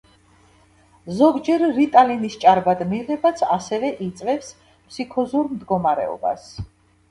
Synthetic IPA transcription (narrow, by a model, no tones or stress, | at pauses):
zɔɡd͡ʒɛɾːit̪ʼalinist͡ʃʼaɾbad̪miʁɛbat̪sʰasɛvɛʔit̪sʼvɛps | pʰsikʰɔzuɾmd̪ɡɔmaɾɛ̰ɔ̰ba̰s